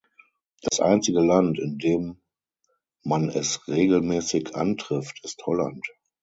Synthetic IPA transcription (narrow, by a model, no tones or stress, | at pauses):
d̥asʔa̰ɪnt͡sɪɡəlantɪndeːm | manɛsʁeːɡl̩mɛːsɪçʔa̰ntʁ̥ɪftʰɪsthɔla̰nt